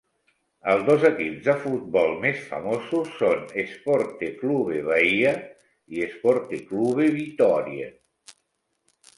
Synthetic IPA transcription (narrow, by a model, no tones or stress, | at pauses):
əlˠzd̪ozəkipzðəfut̪̚bɔlˠmesfə̰mosusːonespɔɾt̪ekluβeβaia | iespɔɾt̪ekluβeβit̪ɔɾiḛ